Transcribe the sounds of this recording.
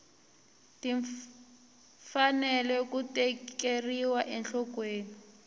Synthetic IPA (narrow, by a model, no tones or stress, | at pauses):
tiɱ | fanɛlɛkutɛkeriwaʔɛnɬɔkweːni